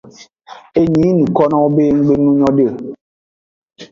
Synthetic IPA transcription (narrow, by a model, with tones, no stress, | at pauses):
e˦ɲĩ˨˦nũ˨kɔ˦nɔ̃˦o˦be˦ŋ̩˦ɡ͡be˦nũ˦ɲɔ̃˦ɖə˦˨